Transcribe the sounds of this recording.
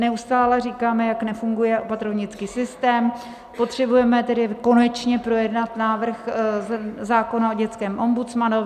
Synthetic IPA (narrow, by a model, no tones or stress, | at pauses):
nɛust̪aːlɛriːkaːmɛjaknɛfuŋɡujɛʔopat̪ɾovɲɪt͡skiːsɪst̪ɛːm | pot̪r̝̥ɛbujɛmɛt̪ɛdɪko̞nɛt͡ʃɲɛpɾo̞jɛdnat̪naːvr̩x | zaːko̞naoɟɛt͡skɛːmʔo̞mbut͡smano